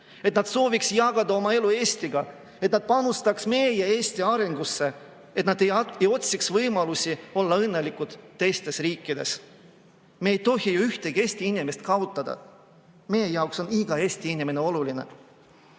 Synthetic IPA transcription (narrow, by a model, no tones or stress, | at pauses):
e̞t̪nɑd̪̥so̞ːviksjɑɡ̥ɑd̪ɑo̞mɑe̞lue̞ːst̪iɡ̥ɑ | e̞t̪nɑd̪̥̚pɑnust̪ɑksme̞ːjeeːst̪iɑɾe̞ŋɡ̥usːe̞ | e̞t̪nɑd̪e̞jejo̞t̪siksvɤjmɑlusʲio̞lːɑɤnːe̞likːud̪̥t̪ːe̞jst̪e̞sriːkˑːid̪̥e̞̰s | meːjt̪o̞ɦijuyht̪eɡie̞sʲt̪iinime̞st̪kɑot̪ːˑɑd̪̥ɑ̰ | me̞jejɑokso̞niɡ̥ɑe̞ːsʲt̪iinʲimeneo̞luline̞̰